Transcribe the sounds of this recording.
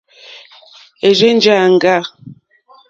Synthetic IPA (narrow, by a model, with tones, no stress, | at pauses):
e˨d͡ʒe˦n˦d͡ʒa˦˨ŋ̩˨ɡa˦˨